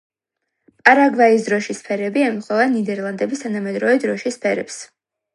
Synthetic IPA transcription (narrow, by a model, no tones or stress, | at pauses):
pʼaɾaɡvais̬d̪ɾɔʃispʰɛɾɛbiɛmχɔvɛnːid̪ɛɾlˠand̪ɛbist̪ʰanamɛd̪ɾɔvɛd̪ɾɔʃispʰɛɾɛ̰ps